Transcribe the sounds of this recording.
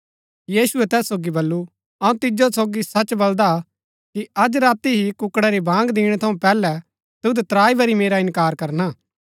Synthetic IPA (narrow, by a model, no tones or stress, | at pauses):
jiːsʊɛt̪ɛːsoːɡibɐlːu | ɐũt̪ɪd͡ʒosoːɡisɐt͡ʃbɐld̪a | kiɐd͡ʒɾaːt̪iɦikʊkɽɛɾibʱãːŋɡd̪iːɽ̃ɛt̪ʰɐũpɛːlɛ | t̪ud̪ɛt̪ɾaːibɐɾimeːɾaɪ̃nkaːɾkɐɾnaː